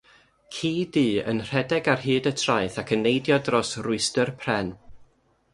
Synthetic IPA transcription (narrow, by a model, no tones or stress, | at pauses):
kʰiːdiːə̰nr̥ɛdɛɡarɦɨːdətʰrajθakʰənːejdjɔdrɔsrʊɨstərpʰrɛn